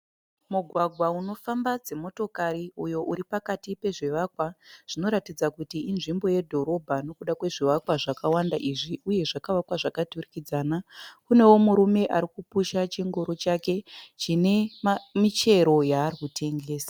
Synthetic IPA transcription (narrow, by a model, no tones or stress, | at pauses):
muɡʱwaɡʱwauno̞fambad͡ze̞mo̞to̞kaɾiujo̞ʔuɾipakatipe̞ʐeʋakwaʐ̥ino̞ɾatid͡zakutiinʐimbo̞je̞dʱo̞ɾo̞bʱano̞kuɗakwe̞ʐiʋakwaʐakawandaʔiʐiuje̞ʐakaʋakwaʐakaturikid͡zaːnakune̞wo̞muɾume̞ʔaɾikupuʃat͡ʃiŋɡoɾo̞t͡ʃake̞t͡ʃine̞mit͡ʃe̞ɾo̞jaːrikutʰe̞ŋɡeːsḁ